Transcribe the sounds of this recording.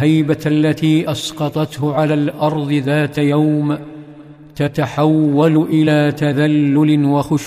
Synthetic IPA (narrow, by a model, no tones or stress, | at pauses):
hajbaʔalːat̪iːʔɑsqɑt̪ˤɑt̪hʊʕalaːlʔɑɾˤðˤɨðaːt̪jawm | t̪at̪aħawːalʊʔɪlaːt̪aðalːʊlɪwaxʊʃ